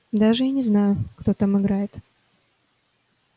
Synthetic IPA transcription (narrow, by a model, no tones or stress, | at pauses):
d̪aʐɨjanʲɪznajʊkt̪o̞t̪amɨɡɾajɪt̪